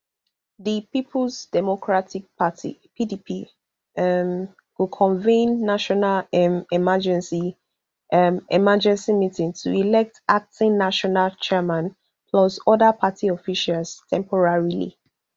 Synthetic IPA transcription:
ðipipʰlˠsd̥ɛmɔkʰɹatik̚patḭpidipʰi | m | wukʰɔ̃ɱvĩnːaʃɔnalɛmimad͡ʒɛ̃nsi | mɛ̰mad͡ʒɛ̃nsimitĩŋtʰuilɛk̚tak̚tĩŋnaʃɔnalt͡ʃʰɛmãn | pʰlɔsɔdəpʰatʰiɔfiʃalstʰɛ̃mpʰɔɹaɹilḭ

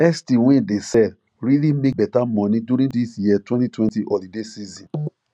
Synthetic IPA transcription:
ɛstĩwɛ̃desɛd | ɾilimek̚bɛtamɔ̃nĩduɾĩdisjiɛtwɛ̃ntitwɛ̃ntiʔɔdidesizĩn

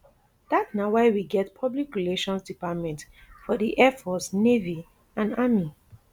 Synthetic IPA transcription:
d̥atsnawaɪwiɡɛtpʰɔblikɹileʃɔ̃nsdipatmɛ̃ntfɔdiʔɛfɔsnevi | ãnami

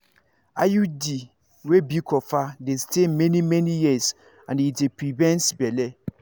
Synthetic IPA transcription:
ajudi | webikʰɔfadestemɛnimɛnijis | ãnitepɾivɛ̃nsbɛlɛ

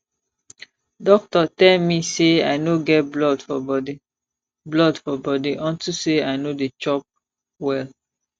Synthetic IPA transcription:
dɔk̚tɔtɛlmiseaɪnoɡɛt̚blɔdfɔbɔdi | blɔdfɔbɔdiʔɔ̃ntuseaɪnodet͡ʃɔp̚ | wɛl

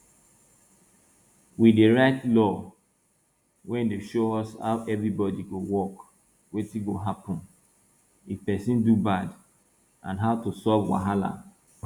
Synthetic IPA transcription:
wideɹaɪtlɔ | wɛ̃ndeʃoɔsha̰ʊʔɛvɹibɔdiɡowɔk | wetiɡoɦapɔ̃n | ifpɛsĩndubad | ʔã̰nɦaʊtusɔvwa̰ɦala̰

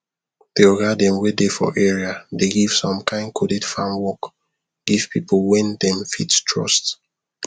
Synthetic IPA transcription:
d̥eɔɡadɛ̃mwedefɔ̰ʔɛɹiadeɡiv̥sɔ̃mkʰãɪ̃nkʰodidfãmwɔk | ɡ̥iv̥pipolwɛ̃ndɛ̃mfittʰɹɔ̰st

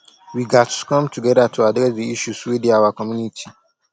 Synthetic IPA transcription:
wiɡatkʰɔ̃mtʰuɡɛdatʰuadɾɛsdiiʃuswidiawakʰɔmjunitʰi

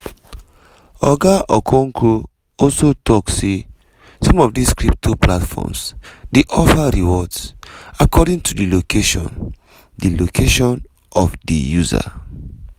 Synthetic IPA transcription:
ɔɡaʔɔkʰɔ̃ŋkʰɹu | ɔlsotʰɔkse | sɔ̃mɔvdiskɹip̚tʰupʰlatfɔ̰msdiʔɔfaɹiwɔdsakʰɔdĩŋtʰudilokʰeʃɔ̰̃n | dilokʰeʃɔ̃n | ɔfdḭjuza̰

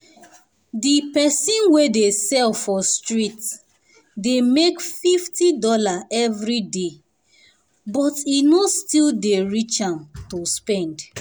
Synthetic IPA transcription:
dipɛsĩnwedesɛlfɔstɹit | demekfiftidɔlaʔɛvɹide | bɔtinostildeɹit͡ʃãmtospɛ̃nd

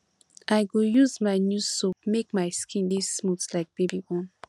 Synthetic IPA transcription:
ʔajɡujuzmaɪnjustumekmaɪskʰĩndisːmutlaɪk̚b̥ebibɔ̃n

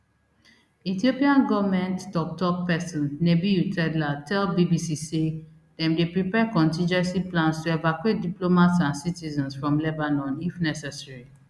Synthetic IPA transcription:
itiopiãnɡɔvmɛ̃nttɔk̚tɔk̚pɛsɔ̃nːebijutʰɛdlatɛlbibisise | dɛ̃mdepɹipɛkɔ̃ntĩnd͡ʒɛ̃nsiplãnstuɛvakwet̚diplomatsãnsitizɔ̃nsfɹɔ̃mlɛbanɔ̃nifnɛsɛsɹi

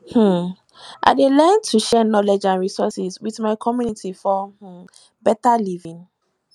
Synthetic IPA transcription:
h̩ | ʔa̰ɪdelɛntʰuʃɛnɔlɛd͡ʒãnɹisɔsizwiθmaɪkʰɔmjunitʰifɔh̩ | bɛtalivĩŋ

